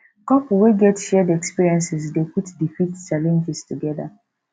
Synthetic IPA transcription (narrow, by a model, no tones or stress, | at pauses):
kɔpweɡɛtʃɛdɛkspiɹiɛ̃nsɪsdepʰutdifitt͡ʃalɛ̃nd͡ʒɪstʰuɡɛða